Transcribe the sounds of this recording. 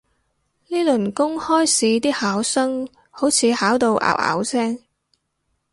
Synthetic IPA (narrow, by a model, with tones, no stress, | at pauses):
niː˥lɵ˨˩nkʊ˥ŋhɔː˥jsiː˨˥t̪̬iː˥haː˨˥wsɐ˥ŋ | ho˨˥wt͡sʰiː˨˧haː˨˥wt̪o˧wʔa̰ː˨˩w̚a̰ː˨˧˥wsɛː˥ŋ